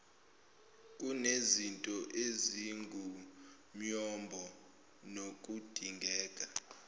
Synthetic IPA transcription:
k̬ʼunezintʼɔʔeziŋɡʱu | ɲɔmbʱɔ | nokʼud̥ʱiŋɡʱɛːkʼa

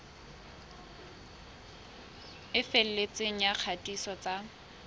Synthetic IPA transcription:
ɪfel̩let͡sʼeŋ̩jak͡xʰatʼisɔt͡sʼa

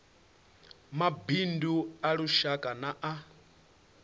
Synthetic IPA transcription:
mabinduaɺuʃakʼanaʔa

